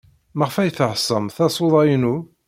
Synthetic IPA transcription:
məʁfæjθəʕsˤːəmθɑsˤoðˤɑjnu

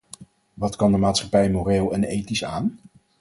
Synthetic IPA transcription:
ʋɑtkɑndəmaːtsχɑpɛjmoreːlˠɛnejtisaːn

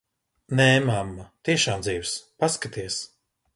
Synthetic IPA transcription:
nɛmamːat̪iɛʃaːmd̪ziːwspaskat̪iɛs

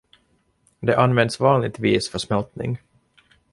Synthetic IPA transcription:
d̪ɛʔanːvɛnd̪svɑːnlɪɡ̚t̪viːsfœʂmɛlt̪nɪ̰ŋ

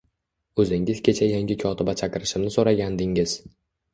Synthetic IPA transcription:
ɵzɪŋɪzkʲet͡ʃʰajaŋʲɪkʰɒt̪ʰɪbat͡ʃʰakʲɪɾɪʃɪmnɪsoɾaɡʲand̪ɪŋɪz̥

